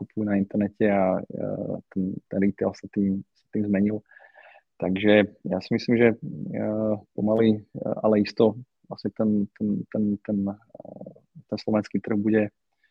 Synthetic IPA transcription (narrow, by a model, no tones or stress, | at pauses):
kupujunaint̪ɛɾnɛcɛa | t̪ɛnt̪ɛnɾit̪ɛɛlsat̪iːmsḁt̪iːmzmɛɲil | t̪aɡʒɛja̰ːsimisliːmʒɛ | pɔmalia̰lɛist̪ɔ | ʋlasɲɛt̪ɛnt̪ɛnt̪ɛnt̪ɛn | t̪ɛnslɔʋɛnskiːt̪r̩ɣbuɟɛ